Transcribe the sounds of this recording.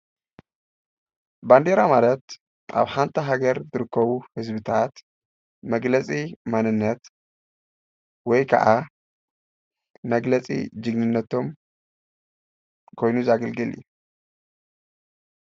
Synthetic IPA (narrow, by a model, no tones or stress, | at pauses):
band̪eɾamalɐt̪ | ʔa̰βħant̪ʰɐɦaɡɐɾzɨɾɨkʰːɐβuhɨzbɨt̪ʰat̪ | mɐɡlɐt͡sʼimanɨnːɐt̪ | wɔjkʰɐ̰ʔa | mɐɡlɐt͡sʼḭd͡ʒɨɡnɨnːɐt̪ʰo̞m | kʰo̞jnuzaɡɐlɡɨlju